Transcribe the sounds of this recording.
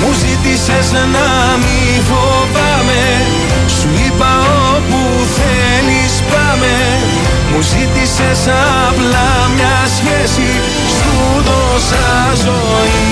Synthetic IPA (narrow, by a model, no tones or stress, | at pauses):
muzit̪isez | nɐ | mi | vo | pɐme | suipɐ | o | pu | θe | lispɐme | muzit̪isesɐ | plɐ | mɲɐ | sçesi | st̪u | ðo | sɐ | zo | ni